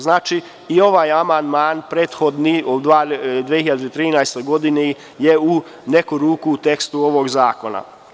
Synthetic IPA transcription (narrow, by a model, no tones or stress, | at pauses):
znaːt͡ʃi | io̞ʋajamand̪maːnpɾeːt̪xo̞d̪niod̪ad̪ʋehiʎad̪et̪ɾiːnajst̪o̞jɡo̞d̪ine | jeu | nekuɾuːkuːt̪e̞kst̪uo̞ʋoɡzaːko̞na̰